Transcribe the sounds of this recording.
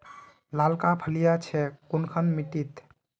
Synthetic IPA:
lalkapʰəlijat͡ʃʰɛkunkʰənmiʈit̪

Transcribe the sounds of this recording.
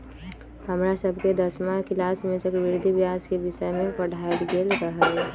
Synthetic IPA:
həmɾasəbʱked̪əsmakilasmẽsəkbɪɾd̪ʱibjaskebɪsəemẽpəɽʱaət̪ɡelɾəɦəlɦɛ

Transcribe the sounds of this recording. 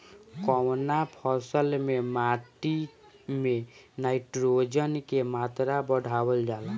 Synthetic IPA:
kɔwnapʰɔsəlmemaːʈi | mẽnaɪʈɾod͡ʒənkemaːt̪ɾabəɽʱawəld͡ʒaːla

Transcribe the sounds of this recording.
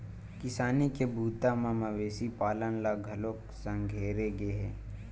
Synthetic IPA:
kɪsaːnikebʱuːt̪amãmɐʋeːsipaːlənlaɡʱɐlok | sə̃ŋɡʱeːɾeɡeɦɛ̰̃ː

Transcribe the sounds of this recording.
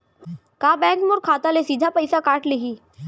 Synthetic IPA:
kaːbɛ̃ːkmʊɾkʰaːt̪alesiːd̪ʱapəɪsakaːʈleɦiː

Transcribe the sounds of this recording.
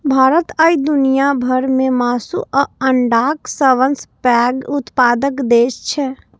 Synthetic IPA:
bʱaːɾət̪aːid̪ʊnijabʱəɾmẽmaːsṵʔəəɳɖaːksəʋənspɛːɡʊt̪paːd̪əkd̪eːʃt͡ʃʰɛ

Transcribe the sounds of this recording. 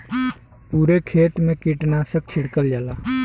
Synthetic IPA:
puːɾekʰeːt̪mẽkiʈnaːsək̚t͡ʃʰɪɽkəld͡ʒəlaː

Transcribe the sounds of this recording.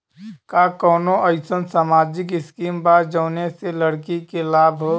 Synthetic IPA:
kakɔːnoʔəɪsənsamaːd͡ʒɪkɪskiːmbaːd͡ʒəʊneseləɽkikelaːbʱɦo

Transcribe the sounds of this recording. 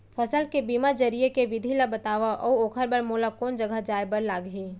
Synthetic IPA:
pʰəsəlkebiːmad͡ʒəɾijekeʋɪd̪ʱilabət̪aːʋaʔɔoːkʰəɾbəɾmoːlakɔːnd͡ʒəɡʱəd͡ʒaːebəɾlaːɡɦiː

